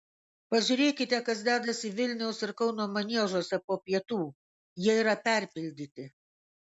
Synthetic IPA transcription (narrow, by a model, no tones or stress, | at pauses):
pɐʒʲʊɾʲeːkʲɪt̪ʲɛkɐsd̪ʲæːd̪ɐsʲiʋʲɪlʲnʲɛʊsɪɾkɒʊnoːmɐnʲiɛʒoːsʲɛpoːpʲiɛt̪uː | jiɛiːɾɐpʲɛˑɾʲpʲɪlʲd̪ʲiːt̪ʲɪ